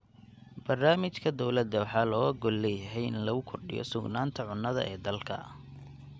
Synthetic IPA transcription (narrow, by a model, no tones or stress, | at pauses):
b̥ɐrnaːmɪt͡ʃkʰɐd̪ɔwlɐd̪ːɐwɑħɑːlɔːɐɡɔlːɛjɐɦɛjɪnlɐɣʊkʰɔrɖɪ̰jɔ̰sʊɡnaːnt̪ʰɐʕʊnːɐðɐ̰ʔɛːd̪ɐlkʰɐ̰